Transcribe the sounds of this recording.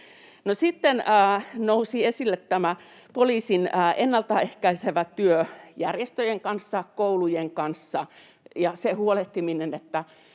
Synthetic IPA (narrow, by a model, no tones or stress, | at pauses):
nosit̪ːenəːnousiesilːet̪tæmæ | poliːsinəːʔenːɑlt̪ɑehkæiseʋæt̪yøjærjest̪øjeŋkɑnsːɑkoulujeŋkɑnsːɑ | jɑsehuoleht̪iminenet̪ːæ